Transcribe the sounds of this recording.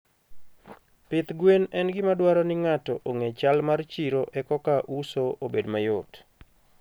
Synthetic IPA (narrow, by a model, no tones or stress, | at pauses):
pɪt̪ɡwenɛnɡɪmadwaɾɔnɪŋatɔʔoŋet͡ʃalmart͡ʃiɾoʔɛkɔkaʔusoobedmajʊt